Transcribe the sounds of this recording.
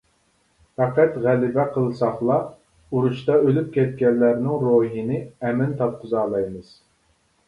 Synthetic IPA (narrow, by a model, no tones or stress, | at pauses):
fæqæt̪ʁælɪbɛqʰəlˠsɑχlˠɑ | uɾuʃt̪ɑølyp̚kʲʰɛt̪̚kʲɛnːæɾnɪŋɾoɦinɪɛmɪnt̪ʰɑp̚qʰʊzɑːlˠɑjmɨz̥